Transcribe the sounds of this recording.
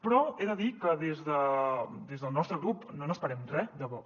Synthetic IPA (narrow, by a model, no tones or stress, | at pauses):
pɾɔeðəðikəðezðəd̪ezðəlˠnɔst̪ɾəɣɾupnonəspəɾɛmrɛd̪əβɔ